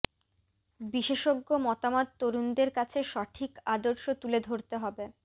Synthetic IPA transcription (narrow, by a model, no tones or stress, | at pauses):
biʃeʃoɡːomɔt̪amod̪̚t̪oɾund̪eɾkat͡ɕʰeʃɔʈʰikad̪oɾʃot̪uled̪ʱoɾt̪eɦɔbe